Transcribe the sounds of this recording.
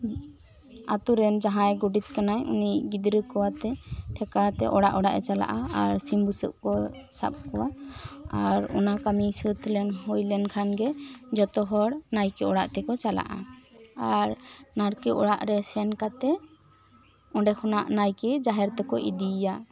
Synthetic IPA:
a̰t̪uɾɛnd͡ʒaɦãjɡuɖit̪̚kanajṵniʔɡid̪ɾəkɔwat̪ɛʈʰɛkat̪ɛ̰ʔɔɽaʔɔɽaʔɛt͡ʃala̰ʔaaɾsimbusə̰ʔkɔ | sa̰p̚kɔwaaɾɔ̰nakamisət̪ʰlɛnɦɔjlɛnkʰanɡɛd͡ʒɔt̪ɔɦɔɽnajkɛɔɽaʔt̪ɛkɔt͡ʃala̰ʔa̰aɾnaɾkɛʔɔ̰ɽaʔɾɛsɛnkat̪ɛ | ɔ̃ɖɛkʰɔnaʔnajkɛd͡ʒaɦɛɾt̪ɛkɔʔid̪ija

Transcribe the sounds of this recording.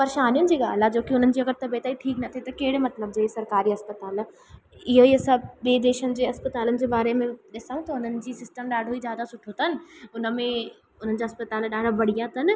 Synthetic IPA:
pɐɾɪʃaːnijʊnɪ̆d͡ʑiːɠa̰ːl̤ad͡ʑoːkiʊn̤ənɪ̆d͡ʑiːɐɡəɾt̪ɐbet̪aːiʈʰiːknɐt̪ʰet̪ɐkeɦɪɽɪ̆mɐt̪ləb̚d͡ʑɐɦesɐɾkaːɾiɦɐspɐt̪aːl | ɪɦoiɐsaɓeːd̪eːʃənɪ̆d͡ʑeːɦɐspɐt̪aːlənɪ̆d͡ʑeːbaːɾemẽɗɪsaːũt̪ɐʊnənɪ̆d͡ʑiːsɪsʈəmɗaːɖʱoizjaːd̪asʊʈʰot̪ʰɐnɪ̆ʊnə̆mẽ | ʊn̤ənɪ̆d͡ʑaːɦɐspɐt̪aːlɗaːɖ̤ʱabɐɽ̤ijat̪ʰɐnɪ̆

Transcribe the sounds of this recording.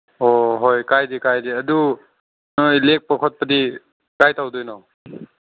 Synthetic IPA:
ɔɦɔjkajd̪ikajd̪iəd̪u | nɔjlek̚pəkʰɔt̪̚pət̪i | kajt̪awd̪ujnɔ

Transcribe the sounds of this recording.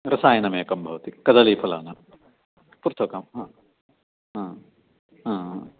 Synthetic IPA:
ɾɐsaːjɐnɐmeːɐkɐmbʱɐʋɐt̪ikɐd̪ɐliːpʰɐlaːnɐm | puɾt̪ʰɐkɐmɦãː | ɦãː | ɦãːãː

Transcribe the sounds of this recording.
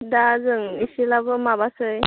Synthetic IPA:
dazɯŋisilabɯmabasɯj

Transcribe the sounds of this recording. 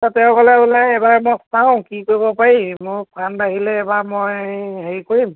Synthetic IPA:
tatɛʊ̃kɔlɛulɛːbaɹɛmɔsaʊ̃kikoɹibɔpaɹimʊɹkʰanbaɦilɛːbamɔjɦeɹikoɹim

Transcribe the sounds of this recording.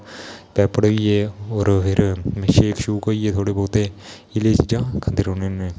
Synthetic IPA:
pɛːpəɽəɡieːɔːɾpʰɪɾmeʃeːkʃuːkoiːeːt̪ʰoːɽeːbɔːt̪eː | ɪleːt͡ʃiːd͡ʒãːkʰənd̪iɾoːneːneː

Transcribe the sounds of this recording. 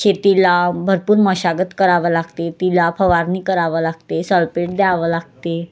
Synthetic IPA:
ɕet̪ilabʱəɾpuːɾməɕaɡət̪kəɾaʋəlaɡt̪et̪ilapʰəʋaɾniːkəɾaʋəlaɡ̚t̪esəlpeʈ̚d̪jaʋəlaɡ̚t̪e

